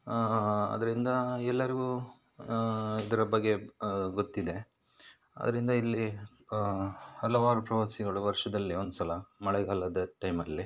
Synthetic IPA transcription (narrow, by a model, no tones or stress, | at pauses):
ɐ̰d̪ɐɾind̪ɐɛlːɐɾiɡuː | id̪ɐɾɐbɐɡːe̞ɡot̪ːid̪e̞ | ɐ̰d̪ɐɾind̪ɐilːi | hɐlɐʋaːɾupɾɐʋɐsiɡɐɭuʋɐɾʂɐd̪ɐlːiond̪usɐlɐmɐɭɛɡɐlɐd̪ɐʈɐjmɐlːi